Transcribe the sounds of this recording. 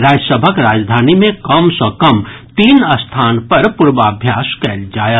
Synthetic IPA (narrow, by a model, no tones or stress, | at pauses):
ɾaːd͡ʒsəbʱəkɾaːd͡ʒd̪ʱaːnimẽkɐmsəkɐmt̪iːnəst̪ʰaːnpɐɾpʊɾʋaːbʱjaːskɛːld͡ʒaːja